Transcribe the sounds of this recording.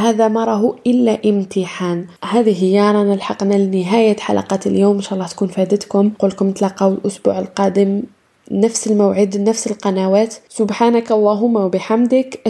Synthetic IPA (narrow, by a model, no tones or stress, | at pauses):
ɦaːðamɑɾˤɑɦuʔɪlːaʔɪmt̪iħaːnhaːðihɪjːɑɾˤɑnɪlħɑqnalnɪɦaːjaħa̰lʔɑ̰qɑːt̪ljoːmɪnʃaʔlˤːɑht̪kuːnfæːd̪ət̪kʊmqʊlkʊmt̪lɑqɑwɪlʔʊsbṵːʕɪlqɑːd̪ɪm | nafsɪlmawʕid̪nafsɪlqɑnawaːt̪sʊbħaːnakɑlˤːɑɦʊmːawbɪħamd̪ɪkʔ